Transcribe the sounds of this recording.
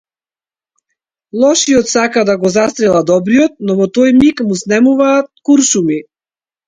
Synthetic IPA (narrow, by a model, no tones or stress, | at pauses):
lˠɔʃiɔt̪sakad̪aɡɔzast̪ɾɛlˠad̪ɔbɾijɔt̪̚nɔvɔt̪ɔjmikmusnɛmuvaːt̪̚kuɾʃumi